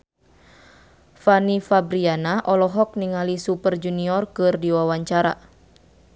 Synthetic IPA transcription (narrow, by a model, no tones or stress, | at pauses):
fanifabɾianaʔɔlɔɦɔk̚niŋalisupərd͡ʒuniɔrkɨrdiwawaɲt͡ʃaɾa̰